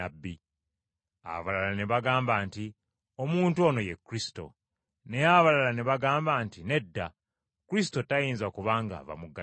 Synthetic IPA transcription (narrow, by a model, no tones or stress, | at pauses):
abːi | a̰βalalaneβaɡaːmbaːnti | omuːntuo̞ːno̞jekːuɾisi̥to̞̰ | ne̞jaβalalaneβaɡaːmbaːntine̞dːa | kuɾis̬i̥to̞tajiːnzakuβaːŋɡa̰βa̰muɡa